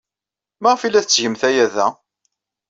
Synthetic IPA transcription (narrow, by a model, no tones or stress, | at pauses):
mæʁfilːæθt͡sːʝəmθæjæðæ̰